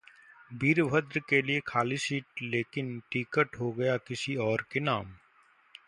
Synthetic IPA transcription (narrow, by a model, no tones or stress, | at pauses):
biːɾʋʱəd̪ɾkeliekʰaːlisiːʈleːkɪnʈiːkəʈɦoɡɐjakɪsiɔːɾkenaːm